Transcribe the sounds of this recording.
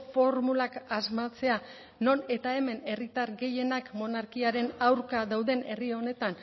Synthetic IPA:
fo̞ɾmulakazmat͡se̞a | no̞ne̞t̪ae̞me̞ne̞rit̪aɾɡe̞je̞nakmo̞naɾkiaɾe̞nawɾkaðawðe̞ne̞rio̞ne̞t̪an

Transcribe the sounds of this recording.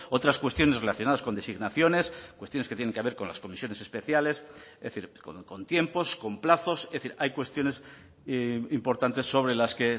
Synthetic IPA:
o̞t̪ɾaskwe̞st̪jo̞nere̞laθjo̞naðasko̞nd̪e̞siɣnaθjo̞ne̞skwest̪jo̞nesket̪jene̞ŋkeaβe̞ɾko̞nla̰sko̞misjo̞ne̞se̞spe̞θjale̞seθiɾkoko̞nt̪je̞mpo̞sko̞mplaθo̞sezð̞θiɾajkwe̞st̪jo̞ne̞s | impo̞ɾt̪ant̪e̞sːo̞β̞ɾe̞laske

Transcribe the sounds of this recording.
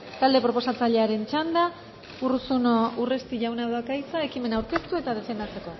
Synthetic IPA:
t̪ald̪e̞pɾo̞po̞sat͡saʎe̞aɾe̞nt͡ʃand̪a | urusuno̞ure̞st̪iʝawnaðakajt͡sae̞kime̞nawɾke̞st̪ue̞t̪að̞e̞fe̞nd̪at͡se̞ko̞

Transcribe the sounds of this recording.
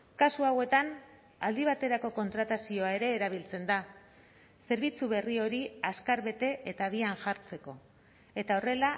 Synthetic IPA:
kasuawe̞t̪an | ald̪iβ̞at̪e̞ɾako̞ko̞nt̪ɾat̪asio̞ae̞ɾe̞ːɾaβ̞ilt͡se̞nd̪a | se̞ɾβit͡suβe̞rio̞ɾiaskaɾβe̞t̪e̞ʔet̪aβianʝaɾt͡se̞ko̞ | e̞t̪ao̞re̞la

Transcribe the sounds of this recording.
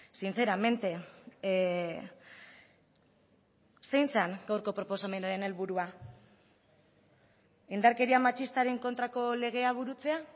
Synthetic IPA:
sint͡se̞ɾame̞nt̪e̞ | se̞jnsaŋɡawɾko̞pɾo̞po̞same̞naɾe̞ne̞lβuɾua | ind̪aɾke̞ɾiamat͡ʃist̪aɾe̞ŋko̞nt̪ɾako̞le̞ɣ̞e̞aβ̞uɾut͡se̞a

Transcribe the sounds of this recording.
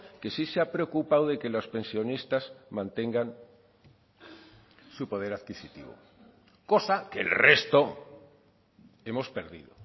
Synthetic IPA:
ke̞siseapɾeokupawðe̞kelospe̞nsjo̞nist̪azmãnt̪e̞ŋɡan | supo̞ð̞e̞ɾaðkisit̪ḭβo̰ | ko̞sakḛlre̞st̪o | e̞mo̞spe̞ɾðḭðo

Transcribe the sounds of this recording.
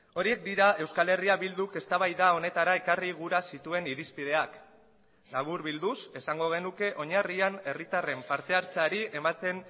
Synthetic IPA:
o̞ɾie̞k̚d̪iɾae̞wskale̞riaβild̪uke̞st̪aβajðao̞ne̞t̪aɾae̞kariɣ̞uɾasit̪ue̞niɾispið̞e̞ak | naβ̞uɾβild̪use̞saŋɡo̞ɣ̞e̞nuke̞ʔo̞ɲariane̞rit̪are̞mpaɾt̪e̞aɾt͡saɾie̞mat̪e̞n

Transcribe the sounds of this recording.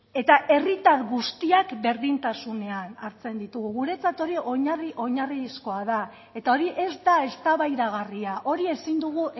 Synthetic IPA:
e̞t̪aʔe̞rit̪aɾɣust̪iakbe̞ɾðint̪asune̞anaɾt͡se̞nd̪it̪uɣuɣuɾe̞t͡sat̪o̞ɾioɲriʔo̞ɲarisko̞aða | e̞t̪ao̞ɾiʔe̞zd̪ae̞st̪aβajɾaɣ̞ariaʔo̞ɾie̞sind̪uɣ̞uʔ

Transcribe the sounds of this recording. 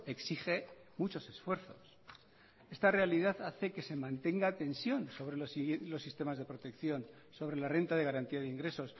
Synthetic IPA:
eksiχe̞mut͡ʃo̞se̞sfwe̞ɾθo̞̰s | e̞st̪are̞aliðaðaθe̞ke̞se̞mãnt̪e̞ŋɡat̪e̞nsjo̞nso̞βɾelslo̞sːist̪e̞mazðe̞pɾo̞t̪e̞kθjo̞n | so̞β̞ɾe̞lare̞nt̪að̞e̞ɣaɾant̪iaðeiŋɡɾe̞so̞s

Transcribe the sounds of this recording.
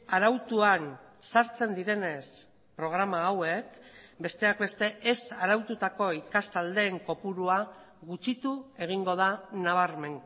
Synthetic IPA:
aɾawt̪uan | saɾt͡se̞nd̪iɾe̞ne̞s | pɾo̞ɣ̞ɾamaːwe̞kbe̞st̪e̞akbe̞st̪e̞esaɾawt̪ut̪ako̞ikast̪ald̪e̞ːŋko̞puɾuaɣut͡ʃit̪ue̞ɣ̞iŋɡo̞ð̞anaβ̞aɾme̞ŋ

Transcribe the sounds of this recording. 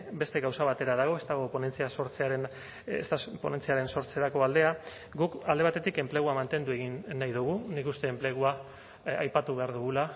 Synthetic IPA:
be̞st̪e̞ɣawsaβat̪e̞ɾað̞aɣ̞o̞e̞st̪aɣ̞o̞pone̞nt͡siasoɾt͡seaɾen̰ | st̪apo̞̰ne̞nt͡siaɾe̞nso̞ɾt͡seɾako̞ald̪e̞a | ɡukald̪eat̪e̞t̪ike̞mple̞ɣ̞uamant̪e̞nd̪ue̞ɣinːajðuɣ̞unikust̪e̞ːmple̞ɣ̞ua | a̰jpat̪uβe̞aɾðuɣula

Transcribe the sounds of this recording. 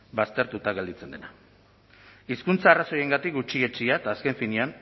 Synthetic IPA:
bast̪e̞ɾt̪ut̪aɣe̞ld̪it͡se̞nd̪e̞na | iskunt͡saːraso̞je̞ŋɡat̪ik̚ɡut͡ʃie̞t͡ʃiat̪aːske̞ɱfinian

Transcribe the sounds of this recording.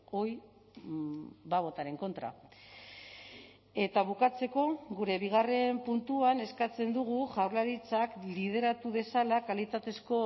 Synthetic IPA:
o̞j | baβo̞t̪aɾe̞ŋko̞nt̪ɾa̰ | e̞t̪aβukat͡se̞ko̞ɣuɾe̞βiɣ̞are̞mpunt̪uane̞skat͡se̞nd̪uɣ̞uʝawɾlaɾit͡saklið̞e̞ɾat̪uðe̞salakalit̪at̪e̞sko̞

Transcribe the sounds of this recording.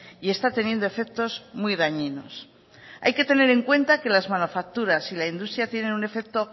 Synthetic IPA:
ie̞st̪at̪e̞njend̪o̞e̞fe̞k̚t̪o̞zmujðaɲino̞̰s | a̰jke̞t̪e̞ne̞ɾe̞ŋkwe̞nt̪ake̞lazmanufak̚t̪uɾasilaind̪ust̪ɾjat̪je̞nenune̞fe̞k̚t̪o̞

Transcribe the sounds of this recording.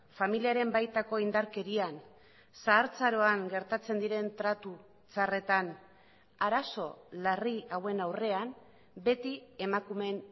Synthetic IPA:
familiaɾe̞mbajt̪ako̞ind̪aɾke̞ɾian | saːɾt͡saɾo̞aŋɡe̞ɾt̪at͡se̞nd̪iɾe̞nt̪ɾat̪u | t͡sare̞t̪an | aɾaso̞lariawe̞nawre̞am | be̞t̪ie̞makume̞n

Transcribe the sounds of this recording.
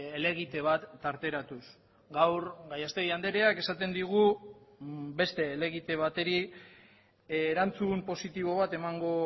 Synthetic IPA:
ele̞ɣ̞it̪e̞β̞at̪ːaɾt̪e̞ɾat̪us | ɡawɾɡajast̪e̞ɣjand̪e̞ɾeake̞sat̪e̞nd̪iɣ̞u | be̞st̪e̞ːle̞ɣ̞it̪e̞β̞at̪e̞ɾi | eɾant͡sumpo̞sit̪iβ̞o̞β̞at̪e̞maŋɡo̞

